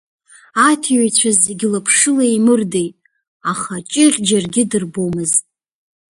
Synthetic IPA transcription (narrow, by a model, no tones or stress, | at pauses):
atʰiɥajt͡ɕʷʰazeɡʲɪlapʰʂɨlaimɨrdejtʼ | aχat͡ʃʼɪχʲʼd͡ʒarɡʲɪdɨrbomɨztʼ